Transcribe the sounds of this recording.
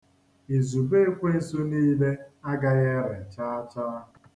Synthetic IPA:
i˨zu˨be˦kʷe˦˨su˦niː˦le˦a˦ɡa˦ɣe˦ɾe˨t͡ʃaː˦a˦t͡ʃaː˦

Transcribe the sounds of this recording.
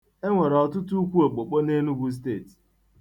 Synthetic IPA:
e˦ŋʷe˨ɾɔ˨tʊ˦tu˦u˦kʷu˦o˨k͡po˨k͡po˦ne˦nu˦ɡʷu˦s̬te˦˨ti̥˨

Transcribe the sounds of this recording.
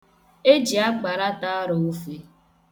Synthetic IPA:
e˦d͡ʒi˨a˦k͡pa˨ɾa˦ta˦ɾʊ˨u˦fe˦

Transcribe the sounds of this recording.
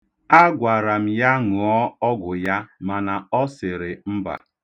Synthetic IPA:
a˦ɡʷa˨ɾa˨m̩˨ja˦ŋu˨ɔ˦ɔ˦ɡʊ˨ja˦ma˨na˨ɔ˦sɪ˨ɾɪ˨m̩˦ba̰˨

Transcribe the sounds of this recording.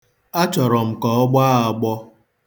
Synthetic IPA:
a˦t͡ʃɔ˨ɾɔ˨m̩˨kɔ˨ɔ˦ɡ͡ba˦a˨ɡ͡bɔ˦

